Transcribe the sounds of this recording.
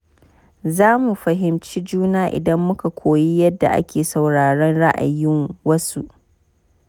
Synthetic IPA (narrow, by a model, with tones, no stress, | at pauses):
zaː˦mu˨ɸɐ˨ɦɪ˨mt͡ʃiː˦d͡ʒuː˦naː˦ʔɪ̰˨dɐ˦mːʊ˦ka˨kʷʰoː˨ji˦jɐ˦dːa̰˨ʔa̰˦kʲeː˨sa˨wɽaː˨ɽɐ˦nɽa˦ʔa̰˨jɪ˦ŋwɐ˦sṵ˦ʔ